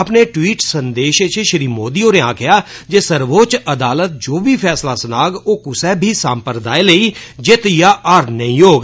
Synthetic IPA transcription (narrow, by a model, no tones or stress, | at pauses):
əpneːʈwiːʈsənd̪eːʃet͡ʃeʃəɾiːmoːd̪iːoːnẽːaːkʰɪjaːd͡ʒeːsəɾʋoːt͡ʃəd̪aːlət̪̚d͡ʒoːbʱiːpʰɛːslaːsənaːɡoːkʊsɛːbʱiːsaːmpəɾd̪aːeləiːd͡ʒeːt̪jaːʔaːɾnəĩːoːɡ